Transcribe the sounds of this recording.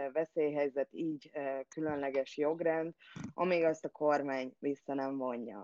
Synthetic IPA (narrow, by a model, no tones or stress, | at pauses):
vɛseːjɦɛjzɛt̪iːɟkylønlɛɡɛʃjo̞ɡrɛnd̪ʔɒ̰miːɡɒst̪ɒkʰo̞rmaːɲvisːɒnɛɱvo̞ɲːɒ̰